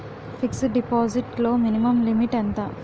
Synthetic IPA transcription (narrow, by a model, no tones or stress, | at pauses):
fiksɖipaːziʈlo̞ːminimɐmlimiʈɛnt̪ɐ